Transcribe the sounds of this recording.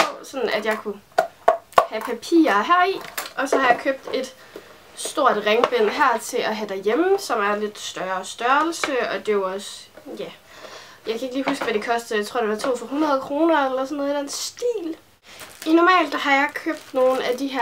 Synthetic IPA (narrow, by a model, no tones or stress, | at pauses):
pʰɒsɒ̽nn̩æd̥jɑ̈ɪkʰu | hæpʰæpʰḭːɐɦæɐ̰iʔɒ̽sɒ̽hɑ̈jɑ̈ɪkʰøb̥̚d̥e̝d̥ | sd̥o̝ɐ̰d̥ʁeŋb̥en̰ɦæɐ̰t͡sʰe̝ɒɦæd̥æjeməsɒ̽mæɐle̝d̥sd̥ɶːɐsd̥ɶɐl̩səɒ̽d̥e̝joɒ̽sjæ | jɑ̈ɪkʰæeɡ̥liːɦusɡ̥ʋæd̥e̝kʰɒ̽sd̥ð̩ˠjɑt͡sʰʁo̝̰d̥e̝ʋɑ̈t͡sʰo̝̰ːfɒɦunʁɐð̞ˠkʰʁo̝ːnɐelɐsɒnːoðˠid̥en̰sd̥ḭːl | inɒmɛ̰ːld̥hɑ̈jɑ̈ɪkʰøb̥̚d̥no̝ːn̩æd̥iɦæɐ̰